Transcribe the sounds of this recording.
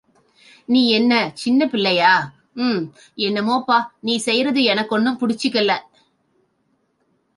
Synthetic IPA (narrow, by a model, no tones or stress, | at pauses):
niːɛnːɐt͡ʃɪnːɐpɪlːɐjaː | ɛnːɐmoːpːaːniːsɛjɾɐðɯɛnɐkːɔɳːɯmpʊɽɪt͡ʃːɯkːɐlːɐ